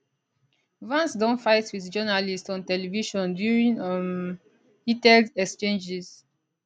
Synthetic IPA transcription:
vãnsdɔ̃nfaɪtwiðd͡ʒɔnalistɔ̃ntɛliviʃɔ̃ndjuɹĩŋam | hitɛldɛkst͡ʃẽnd͡ʒis

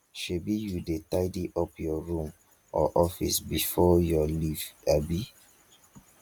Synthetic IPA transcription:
ʃebijudetaɪdiʔɔpjɔɹũm | ʔɔʔɔfḭsbifɔjɔlivabi

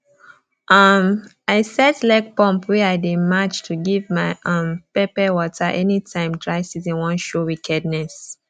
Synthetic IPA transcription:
ʔʌm | aɪsɛtlaɪk̚pɔ̃mpwɛaɪdimat͡ʃtʰuɡivmaɪʔʌ̃mpɛpɛwɔtʰəʔɛnitʰãɪ̃mdɹaɪsizĩnwɔ̃nʃowikʰɛdnɛs

